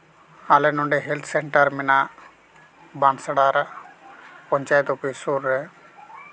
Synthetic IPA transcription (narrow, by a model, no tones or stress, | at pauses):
alɛnɔɳɖɛɦelt̪ʰsɛɳʈəɾmɛna | bansaɽaɾ | pɔɲt͡ʃajt̪ɔpisuɾːɛ